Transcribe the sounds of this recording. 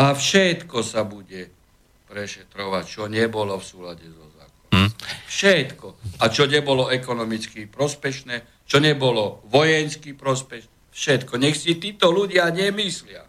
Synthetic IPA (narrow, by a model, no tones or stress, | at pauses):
afʃɛt̪kɔsabuɟɛ | pɾɛʃɛt̪ɾɔʋac̚t͡ʃɔɲɛbɔlɔfsuːlaɟɛzɔza̰ːkafʃɛt̪kɔat͡ʃɔɲɛbɔlɔɛkɔnɔmit͡skipɾɔspɛʃnɛː | t͡ʃɔɲɛbɔlɔʋɔjɛnskipɾɔspɛʃnɛfʃɛt̪kɔɲɛxsit̪iːt̪ɔluɟɪaɲɛmislɪa̰